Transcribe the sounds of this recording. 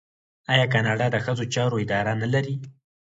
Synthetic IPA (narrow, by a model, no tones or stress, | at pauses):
ɑjɑkɑnɑɖɑd̪əxəzot͡ʃɑɾoɪd̪ɑɾanalaɾi